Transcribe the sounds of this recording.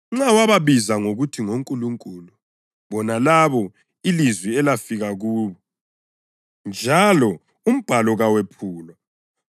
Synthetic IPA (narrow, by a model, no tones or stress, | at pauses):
ŋ͡ǁawaβaβizaŋoɣutʰiŋoŋkʼuluŋkʼulu | βɔnalaβɔ | ilizwiɛlafiɣaɣuːβɔ | nd͡ʒʱalɔ | um̩b̥ʱalɔɣawepʰuːlwa